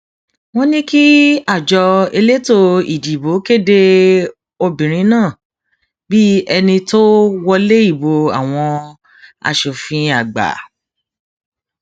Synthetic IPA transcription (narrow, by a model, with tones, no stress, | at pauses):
w̃ɔ̃˦nĩ˦ki˦a˦˨d͡ʒɔ˧e˧le˦to˧i˨di˨bo˨˦ke˦˨de˧ | o˧bĩ˨ɾ̃ĩ˨˦nãː˦˨ | bi˦ɛ˧nĩ˧to˦wɔ˧le˦i˦˨bo˧a̰˨w̃ɔ̃˧ | a̰˧˨ʃo˨fĩ˧a˨ɡ͡ba̰˨